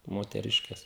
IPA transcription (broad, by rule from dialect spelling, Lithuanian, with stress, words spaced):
moːtʲɛˈrʲɪʃʲkʲɛs